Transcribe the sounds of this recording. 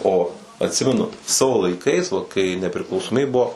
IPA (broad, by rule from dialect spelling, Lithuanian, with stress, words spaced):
oː ɐtʲˈsʲɪmʲɛnʊ ˈsɑːʋoː lˠɐɪˈkɐɪs ʋɐ kɐɪ nʲɛpʲrʲɪklˠɐʊsoːˈmʲiːbʲeː ˈbuɔ